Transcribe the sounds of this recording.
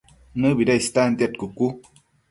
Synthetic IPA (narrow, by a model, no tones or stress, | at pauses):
nɨbiɾaist̪and̪iat̪̚kuku